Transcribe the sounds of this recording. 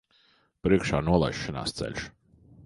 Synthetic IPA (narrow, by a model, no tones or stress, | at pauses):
pɾiɛkʃaːnuɔlˠa̰jʃːina̰ːst̪sɛ̰ʎʲʃ